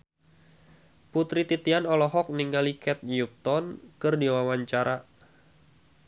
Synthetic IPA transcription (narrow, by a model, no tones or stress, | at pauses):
put̪ɾit̪it̪ianɔlɔɦɔk̚niŋɡalikɛt̪̚ɲjup̚t̪ɔnkɨrdiwawaɲt͡ʃaɾʔa